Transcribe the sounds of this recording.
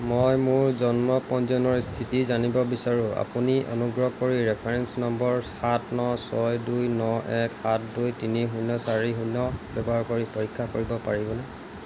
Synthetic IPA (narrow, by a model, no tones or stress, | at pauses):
mojmʊɹzɔnmɔpɔnzɔnɔɹstʰitizanibɔbisaɹua̰puniʔɔ̰nuɡɹɔkoɹiɹɛpʰaɹɛnsnɔmbɔɹ | atʰnɔsɔjdujnɔʔɛkhat̚ʰdujtiniɦunːɔsaɹiɦunːɔbɛbɔɦaɹkoɹipoɹikʰːakoɹibɔpaɹibɔnɛ